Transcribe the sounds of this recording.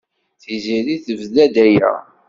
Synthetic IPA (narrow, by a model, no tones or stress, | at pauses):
θiziðiθəvðæd̪æjæ̰